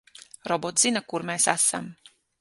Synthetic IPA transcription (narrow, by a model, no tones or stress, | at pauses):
ɾɔbot̪zinakuɾmeːsasa̰m